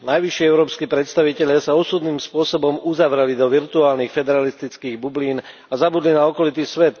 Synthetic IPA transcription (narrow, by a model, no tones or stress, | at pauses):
najʋiʃiɛʊɾɔːpskiːpɾɛt̪st̪aʋicɛʎɪasaɔsud̪niːmspʊɔsɔbɔmuzaʋɾɛlid̪ɔʋiɾt̪uaːlnixfɛd̪ɛɾalist̪it͡skiːɣbubliːn | azabud̪linaɔkɔlit̪isʋɛt̪